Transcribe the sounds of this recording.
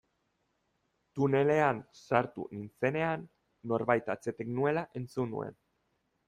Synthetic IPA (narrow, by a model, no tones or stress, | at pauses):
t̪une̞le̞ansaɾt̪ṵnint͡se̞ne̞anː | o̞ɾβajt̪at͡se̞t̪eɡnue̞laʔe̞nt͡sunṵe̞̰n